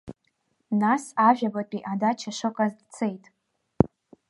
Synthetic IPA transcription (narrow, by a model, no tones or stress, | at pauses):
nasaʒᶣabatʼiʔadat͡ʃʰaʂɨkʷʼazdt͡sʰejtʼ